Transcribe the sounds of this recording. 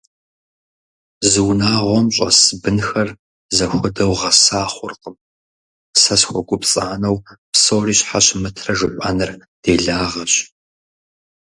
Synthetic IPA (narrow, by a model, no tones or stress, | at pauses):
zɨwnaːʁʷɔmɕʼɐ̰sɨbɨnxɐr | zɐxʷʊdɐwʁɐsaːχʷʊrqəm | sɐsxʷɔɡʷʊpt͡sʼaːnɐwpsoːriːɕħaɕɪmɨtʰrɐʒɨħʷʼa̰nɨrd̥eːɮaːʁɐɕ